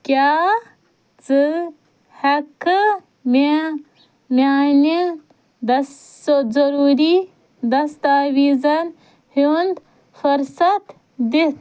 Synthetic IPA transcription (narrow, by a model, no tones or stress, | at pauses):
kʲja | t͡sɨ | hɐkɨ | me | mani | d̪ | zɐɾuɾi | d̪ɐst̪aːwizɐn | hund̪ | fuɾsɐt̪ | d̪it̪